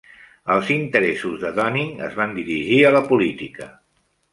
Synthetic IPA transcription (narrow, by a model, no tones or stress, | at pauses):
əlˠzint̪əɾɛsuzðəðɔniŋə̰zβand̪iɾiʒiələpulit̪ikə